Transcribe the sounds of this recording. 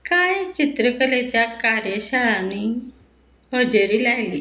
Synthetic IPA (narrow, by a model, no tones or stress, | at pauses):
kaːet͡ʃɪt̪ɾəkəleːt͡ʃaːkaːɾjəʃaːɽãːniː | ɦoːd͡ʒəɾiːlaːiɡiː